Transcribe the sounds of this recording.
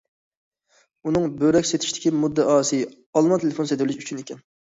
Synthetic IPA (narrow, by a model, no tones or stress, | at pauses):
unɨŋbøɾɛkʲset̪ʰɪ̥ʃt̪ɪ̥kʲimud̪ːɛʔɑːsɨ | ɑlˠmɑnt̪ʰelefonsed̪ɪlɪʃyt͡ʃʰynekʲɛn